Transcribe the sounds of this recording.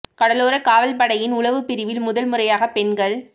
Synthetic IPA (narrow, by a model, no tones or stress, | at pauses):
kɐɽɐloːɾɐkaːʋɐlpɐɽɐjɪnʊlɐʋɯpːɪɾɪʋɪlmʊðɐlmɯrɐjaːɣɐpɛɳɡɐɭ